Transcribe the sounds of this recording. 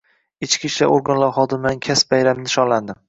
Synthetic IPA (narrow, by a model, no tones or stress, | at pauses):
ɪt͡ʃkʲʰiʃla̰ɾʔoɾɡanlaɾχɒd̪ɪmɪd̪ankʲʰasbajɾamnɪʃɒnland̪ɪm